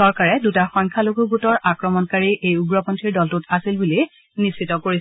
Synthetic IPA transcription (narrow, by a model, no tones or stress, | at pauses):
ɔɹkaɹɛdutaxɔjŋkʰaloɡʱuɡutɔɹʔakɹɔmɔnkaɹiʔejuɡɹɔpɔntʰiɹdɔltutasilbuli | nispitɔkoɹi